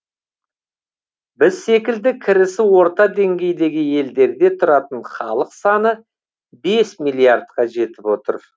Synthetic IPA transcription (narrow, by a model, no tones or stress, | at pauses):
bɪzːe̞kʲɪld̪ɪkʲʰɪɾɪsɪwo̞ɾt̪ɑd̪e̞ŋɡʲe̞jd̪e̞ɡʲɪje̞ld̪e̞ɾd̪e̞t̪ʰʊɾɑt̪əɴχɑlˠəqsɑnə | be̞smilʲˠijaɾd̪̚qɑʒe̞t̪ɪpwo̞t̪ə̰ɾ